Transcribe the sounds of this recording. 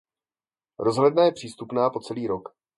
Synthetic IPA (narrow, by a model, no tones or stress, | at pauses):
ɾo̞zɦlɛdnajɛpr̝̥iːst̪upnaːpo̞t͡sɛliːɾo̞k